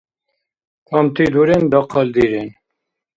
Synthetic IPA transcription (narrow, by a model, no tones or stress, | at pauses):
kamt̪id̪uɾend̪ɑqʰɑld̪iːɾen